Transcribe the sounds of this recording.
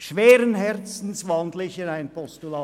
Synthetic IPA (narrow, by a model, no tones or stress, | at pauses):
ʃveːɾənɦɛɾt͡sn̩sʋɑnd̪lɪçənaɪnpʰɔstulɑː